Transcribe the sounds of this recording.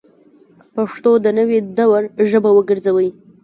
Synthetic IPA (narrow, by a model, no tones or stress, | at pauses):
paʂt̪od̪ənəwed̪awaɾʒəbawəɡəɾzawəji